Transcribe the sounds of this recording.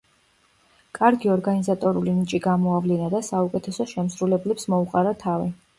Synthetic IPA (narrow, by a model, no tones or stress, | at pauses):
kʼaɾɡiɔɾɡanizat̪ʼɔɾulinit͡ʃʼiɡamɔavlinad̪asaukʼɛt̪ʰɛsɔʃɛmsɾulɛblɛpsmɔuqʼaɾat̪ʰavi